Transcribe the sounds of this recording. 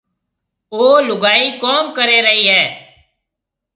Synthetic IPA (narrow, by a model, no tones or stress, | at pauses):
oːlʊɡaːiːkoːmkəɾeːɾəɦiːɦɛː